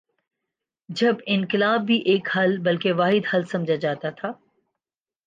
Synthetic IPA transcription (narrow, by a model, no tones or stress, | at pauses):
d͡ʒɐbɪnkɪlaːbːiʔeːkhɐlbɐlkeʋaːɦɪd̪hɐlsɐ̃md͡ʒʱad͡ʒaːt̪at̪ʰaː